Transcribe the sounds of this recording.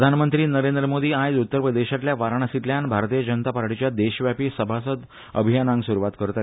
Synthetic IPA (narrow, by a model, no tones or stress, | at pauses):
d̪ʱanmənt̪ɾiːnəɾend̪ɾəmod̪iːãjd͡zut̪ːəɾpɾəd̪eɕat̪ljaʋaɾaɳasit̪ljanbʱaɾt̪iːjəd͡ʑənət̪apaɾʈit͡ɕjad̪eɕʋjapiːsəbʱasəd̪ | ə̰bʱijanãŋɡsuɾuʋat̪̚kəɾt̪a